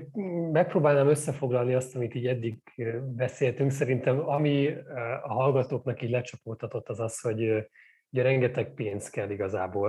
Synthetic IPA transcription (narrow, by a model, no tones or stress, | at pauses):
mɛk̚proːbaːlnaːmøsːɛfo̞ɡlɒlniɒst̪ɒmit̪iːɟɛd̪ːiɡ | bɛseːlt̪yŋksɛɾint̪ɛmɒmi | ɒɦɒlɡɒt̪oːknɒkiːɟlɛt͡ʃɒpoːlt̪ɒt̪o̞t̪ːɒzɒsho̞ɟ | hoɟɾɛŋɡɛt̪ɛk̚peːnzkɛlːiɡɒzaːboːl